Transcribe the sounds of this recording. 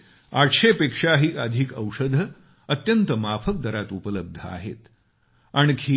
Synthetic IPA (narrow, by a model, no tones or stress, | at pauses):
aʈʰɕepekʂaɦiːəd̪ʱikə̰wʂəd̪ʱə | ət̪jənt̪əmapʰək̚d̪əɾat̪upələb̚d̪ʱəa̰ɦḛt̪ | aɳ̃kʰi